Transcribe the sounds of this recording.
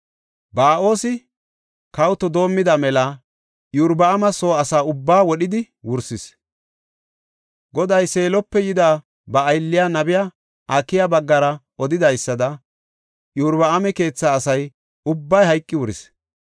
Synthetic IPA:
baːʔo̞ːsɪ | kɐwt̪ɔd̪o̞ːmːɪd̪ɐmɛlɐ | juɾbɐɐmɐsoːɐsaːʊbːaːwɔɗɪd̪ɪ | wʊɾsɪs | ɡɔd̪ɐjse̞ːlɔpːɛjɪd̪aː | bɐːjlːɪjanɐbɪja | ʔɐkːɪjabɐɡːɐɾɐʔɔd̪ɪd̪ɐjsːɐd̪ɐ | juɾbɐɐmɛke̞ːt͡sːaːsɐj | ʊbːɐjɦɐjkʼːɪwʊɾɪs

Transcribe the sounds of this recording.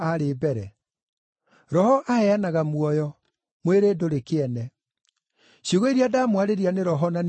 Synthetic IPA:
aɾebɛɾɛ | ɾɔhɔʔahɛanaɣamwɔjɔ | mweɾeːdoɾekeɛnɛ | ɕjoɣɔiɾiadaːmwaɾeɾianeɾɔɦɔnan

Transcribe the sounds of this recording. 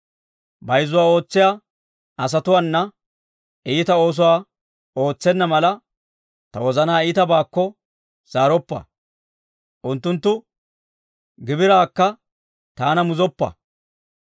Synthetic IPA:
bɐjzːʊwaːo̞ːt͡sːɪjaː | ɐs̬ɐt̪ʊwɐnːɐ | iːt̪ɐo̞ːs̬ʊwaː | o̞ːt͡sːɛnːɐmɐlɐ | t̪ɐwɔzɐnaːiːt̪ɐbaːkːɔ | z̥aːɾɔpːɐ̰ | ʔʊnt̪ːʊnt̪ːʊ | ɡɪbɪɾaːkːɐ | t̪aːnɐmʊzɔpːɐ̰

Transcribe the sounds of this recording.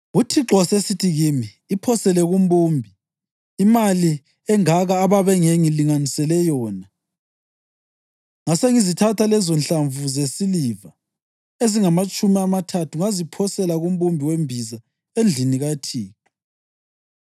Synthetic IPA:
ɣutʰiǁɔsesitʰiɣimiːpʰɔsɛlɛɣumɓumbʱiː | mali | ɛŋaɣaːβaβɛŋeŋiliŋanisɛlɛjɔːna | ŋaseŋizitʰatʰalɛzɔnɬaɱvuzesiliva | eziŋamat͡ʃʼumiamatʰatʰuŋazipʰɔsɛlaɣumɓumbʱiwembʱiza | end͡ɮʱiniɣatʰiːŋɔ

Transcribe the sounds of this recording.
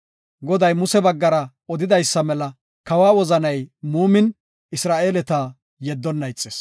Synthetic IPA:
ɡɔd̪ɐjmʊsɛbɐɡːɐɾɐ | ɔd̪ɪd̪ɐjsːɐmɛlɐ | kɐwaːwɔzɐnɐjmuːmɪn | ɪsɾaːʔeːlɛt̪a | jɛd̪ːɔnːɐjt͡sʼːeːs

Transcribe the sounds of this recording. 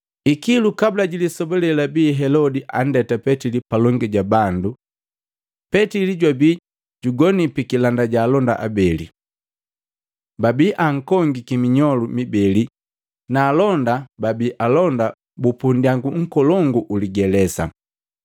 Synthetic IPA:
ikilukabulaɟilisɔbɔlɛlabiːɦɛlɔdiʔan̩dɛtapɛtilipalɔŋɡiɟabandu | pɛtiliɟwabi | ɟuɡɔnipikilandaɟaːlɔnda̰ʔa̰bɛlḭ | babiʔaŋ̩kɔŋɡikimiɲɔlumibɛli | naːlɔndababiʔalɔnda | bupundiaŋɡuŋ̩kɔlɔŋɡuʔuliɡɛlɛsa̰

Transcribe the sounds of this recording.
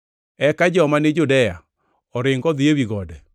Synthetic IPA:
ɛkad͡ʒɔmanɪd͡ʒudɛja | ɔɾɪŋɡɔðiewiɣɔdɛ

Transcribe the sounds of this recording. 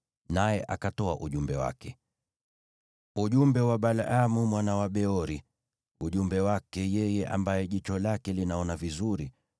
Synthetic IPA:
najɛʔakatɔaʔuʄumbɛwa̰kɛ | uʄumbɛwaɓalamumwanawaɓɛɔɾi | uʄumbɛwakɛjɛjɛʔa̰mbajɛʄit͡ʃɔlakɛlinaɔnavizuɾi

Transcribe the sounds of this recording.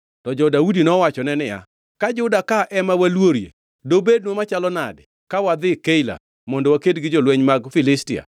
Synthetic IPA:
tɔd͡ʒɔdaudinɔwat͡ʃɔnɛnɪja̰ | kad͡ʒʊdakaʔɛmawalwoɾjḛ | dobed̚nwomat͡ʃalɔna̰dɪ | kawad̪ɪkeila̰ | mɔndowakedɡɪd͡ʒɔlweɲmaɡfɪlɪstɪa̰

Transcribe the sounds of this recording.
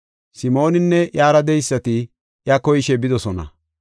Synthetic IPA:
sɪmo̞ːnɪnːɛjaːɾɐd̪ɛjsːɐt̪ɪ | jɐkɔjɪʃɛbɪd̪ɔsɔnɐ̰

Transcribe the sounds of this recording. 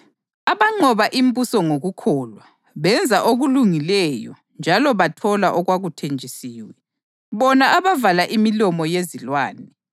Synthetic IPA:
aβaŋ͡ǀʱɔβaʔimbusɔŋoɣukʰɔːlwa | βɛnd͡zʱaʔoɣuluŋilɛjɔ̰ | nd͡ʒʱalɔβatʰɔlaʔɔɣwaɣutʰend͡ʒʱisiːwɛ | βɔnaʔaβavalaʔimilɔmɔjezilwaːnɛ

